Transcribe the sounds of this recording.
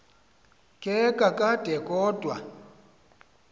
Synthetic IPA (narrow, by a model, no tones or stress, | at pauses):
kʼɛkʼakʼad̥ʱɛkʼɔdʱʼwa